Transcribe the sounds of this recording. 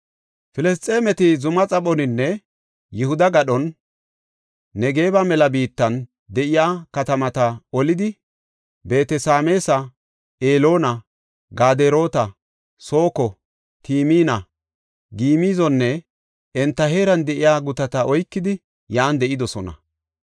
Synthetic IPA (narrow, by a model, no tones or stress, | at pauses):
fɪlɛst̪ʼe̞ːmɛt̪ɪzʊmɐt͡sʼɐɓɔnɪnːɛ | jɪhʊd̪ɐɡɐɗɔn | ɛɡe̞ːbɐmɛlɐbiːt̪ːɐn | d̪ɛʔɪjaːkɐt̪ɐmɐt̪ɐɔlɪd̪ɪ | be̞ːt̪ɛsaːme̞ːsɐ | eːlo̞ːnɐ | ɡaːd̪eɾo̞ːt̪ɐ | so̞ːkɔ | t̪iːmiːnɐ | ɡiːmiːzɔnːɛ | ɛnt̪ːɐɦe̞ːɾɐnd̪ɛʔɪjaːɡʊt̪ɐt̪ɐɔjkːɪd̪ɪ | jaːnd̪ɛʔɪd̪ɔsɔnɐ̰